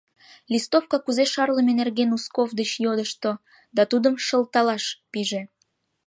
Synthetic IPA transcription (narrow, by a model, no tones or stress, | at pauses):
lʲist̪ofkɑkuzeʃɑrləmenerɣenuskovd̪ət͡ɕjod̪əʃt̪o | d̪ɑt̪ud̪əmʃəlˠt̪ɑlɑʃpiʒe